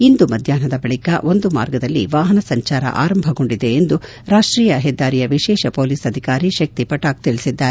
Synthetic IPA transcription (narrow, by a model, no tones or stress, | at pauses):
ind̪umɐd̪ʱjaːnɐd̪ɐbɐɭikɐʔo̞nd̪uma̰ːɾɡɐd̪ɐlːḭʋaːɦɐnɐsɐɲt͡ʃaːɾɐ̰ʔa̰ːɾɐmbʱɐɡo̞ɳɖid̪e̞end̪u | ɾaːʂʈɾiːjɐɦɛd̪ːaːɾijɐʋiʃɛːʃɐpo̞ːlisɐd̪ʱikaːɾiʃɐk̚t̪ipɐʈaːɡ̚t̪iɭisid̪ːaːɾe